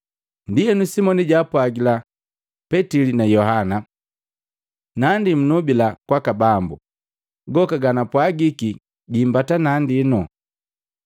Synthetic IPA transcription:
ndijɛnusimɔniɟapwaɡila | pɛtilinajɔɦana | nandim̩nubilakwakabambṵ | ɡɔkaɡanapwaɡiki | ɡimbatanandinɔ

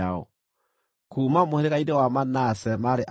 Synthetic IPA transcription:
aɔ̰ | kuːmamoheɾeɣaidewamanasɛmaɾeʔ

